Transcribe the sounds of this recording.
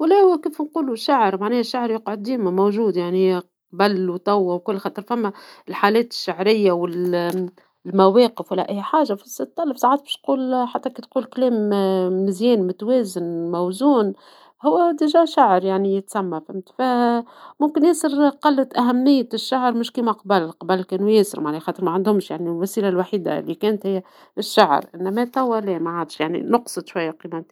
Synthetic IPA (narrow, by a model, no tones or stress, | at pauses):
wlæhʊwkiːfnquːluʃaʕəɾmaʕnɛːhʃːaʕɾjɑqʕod̪ːiːmæmowʒuːd̪jaʕniq | bælːwt̪ˤɑwːawkʊlːxɑːt̪ˤəɾfæmːæɪlħaːlɛːt̪ɪ̥ʃːaʕɾɪjːawɪl | lmæwɛːqəfwalːæʔæjːħaːʒafɪst̪ːˤɑlːəfsˤaʕaːt̪̚bɛ̥ʃt̪quːlħat̪ːækit̪quːlklɛːmːɪzjɛːnmʊt̪wɛːzɪnmæwzuːn | hʊwːæd̪ɪʒæːʃaʕɾjaʕnijɪt̪sæmːafɪmt̪fæmʊmkɪnjæːsəɾqɑlːt̪ʔæɦæmːɪjːʃːaʕɾˤmʊʃkiːmaqɑbalːqɑbælkɛːnjɛːsɪ̰ɾmaʕnlixɑːt̪ˤəɾmaʕand̪hʊmʃjaʕnilwæsiːlalwaħiːd̪a̰lːikɛːnt̪hɪjːæ | ɪʃːaʕ̰ɾʔɪnːæmæt̪æwːælɛːmæʕad̪ʃjaʕnḭnʊqsˤɨd̪ˤʃwajːaqiːmæt̪